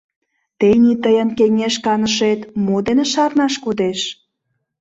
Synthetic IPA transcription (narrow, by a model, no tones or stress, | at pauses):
t̪enit̪əjənkeŋeʃkɑnəʃet̪mod̪eneʃɑrnɑʃkod̪eʃ